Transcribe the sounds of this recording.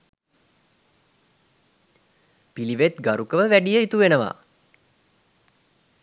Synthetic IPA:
piliʋet̪ɡaɾukəʋəʋæɖijəit̪uʋenəʋa̰ː

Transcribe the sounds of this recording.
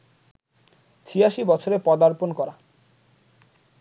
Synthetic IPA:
t͡ɕʰiaʃibɔt͡ɕʰoɾepɔd̪aɾponkɔɾa

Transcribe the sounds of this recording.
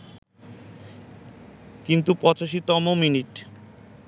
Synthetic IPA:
kint̪upɔt͡ɕaʃit̪ɔmominiʈ

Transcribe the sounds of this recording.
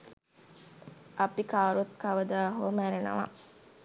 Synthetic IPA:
ʔapikaːɾuɐt̪kaʋəd̪aːɦomæɾenə̰ʋa̰

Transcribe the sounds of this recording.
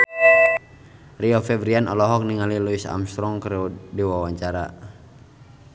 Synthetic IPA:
riɔfɛvɾianɔlɔɦɔk̚niŋaliluisa̰mst̪ɾɔŋkɾudiwawaɲt͡ʃaɾa̰

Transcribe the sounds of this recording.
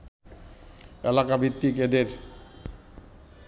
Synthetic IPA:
ḛlakabit̪ːiked̪eɾ

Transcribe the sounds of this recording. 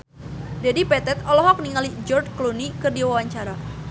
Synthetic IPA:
d͡ʒadipɛt̪ɛt̪ɔlɔɦɔk̚niŋalid͡ʒɔrd͡ʒklonikɨrdiwawaɲt͡ʃaɾa

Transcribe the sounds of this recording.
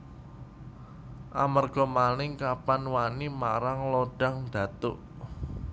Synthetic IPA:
ʔa̰marɡ̥ɔ̤manɪŋkapanwanima̰ɾaŋlɔɖ̥a̤ŋd̪̥ä̤t̪ʊʔ

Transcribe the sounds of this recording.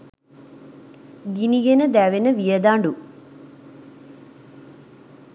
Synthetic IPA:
d̪iniɡenɐd̪aːʋenɐʋijɐd̪aːɳɖu

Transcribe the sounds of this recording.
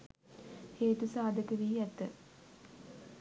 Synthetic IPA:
heːt̪usaːd̪əkəʋiːɛt̪ə

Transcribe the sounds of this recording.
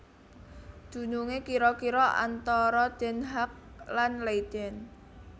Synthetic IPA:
d̪̥ṳnuŋekiɾɔkiɾɔʔa̰nt̪ɔɾɔd̪̥ɛ̤nɦak̚ | lanleid̪̥ɛn

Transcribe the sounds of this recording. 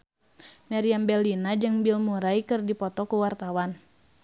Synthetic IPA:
maɾiambɛlinad͡ʒɨŋbilmuɾajkɨrdipɔt̪ɔkuwart̪awan

